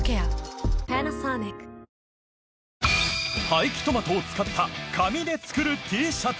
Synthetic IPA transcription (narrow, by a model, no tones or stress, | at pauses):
keapenasaːnek | haikʲi̥t̪o̞mat̪oːt͡sɨ̥kat̪ʰːakʰamʲid̪e̞t͡sɨ̥kɯ̟ɾɯ̟t̪ʲʰiːɕa